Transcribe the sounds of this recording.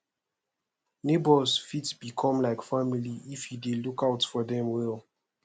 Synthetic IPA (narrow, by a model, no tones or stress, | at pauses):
nebɔlsfitsb̥ikʰɔ̃mlaɪkfamiliifhidelukaʊtfɔdɛ̃mwɛl